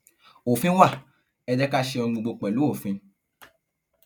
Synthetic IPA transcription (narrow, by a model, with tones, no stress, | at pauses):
o˨fĩ˦wa˦˨ | ɛ˧d͡ʒɛ˦ka˦ʃe˧ɔ˧ɡ͡bu˧ɡ͡bo˧k͡pɛ˨lu˨˦o˦˨fĩ˧